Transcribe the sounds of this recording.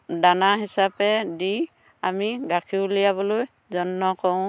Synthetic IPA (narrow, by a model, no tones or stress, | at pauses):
danaɦisapɛdi | amiɡakʰilijaβɔloj | zɔnːɔkɔʊ̃